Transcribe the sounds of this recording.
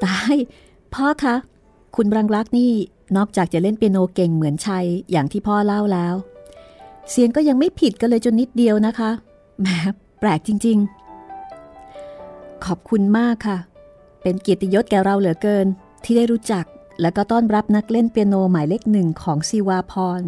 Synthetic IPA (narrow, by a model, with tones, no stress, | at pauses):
t̪a˧˥˩j | pʰɔ˦˥kʰa˦˥ | kʰu˧nbɾa˧ŋɾa˦˥k̚niː˥˩ | nɔː˥˩k̚t͡ɕaː˨˩k̚t͡ɕa˨˩le˥˩npi˧noː˧ke˨˩ŋmɯ˩˦ənt͡ɕʰa˧jːaː˨˩ŋt̪ʰiː˥˩pʰɔː˦˥˩la˥˩wlɛː˦˥w | si˨˩˦əŋkɔː˥˩ja˧ŋma˥˩jpʰi˨˩t̪̚kɔː˥˩lɤː˧jt͡ɕo˧nːi˦˥t̪̚di˧əwna˦˥kʰa˦˥ | mɛː˨˦˥ | pɾɛː˨˩k̚t͡ɕi˧ŋt͡ɕi˧ŋ | kʰɔː˨˩p̚kʰu˧nmaː˥˩kʰːa˥˩ | pe˧nki˨˩t̪i˧jo˦˥t̪̚kɛː˨˩ɾa˧wlɯ˨˩˦kɤː˧n | t̪ʰiː˥daː˥˩jɾuː˦˥t͡ɕa˨˩k̚ | lɛː˦˥wkɔː˥˩t̪ɔː˥˩nɾa˦˥p̚na˦˥k̚le˥˩npi˧ə˧noː˧maː˨˩˦jle˦˥k̚nɯ˨˩ŋkʰɔː˩˦ŋsi˧waː˧pʰɔː˧n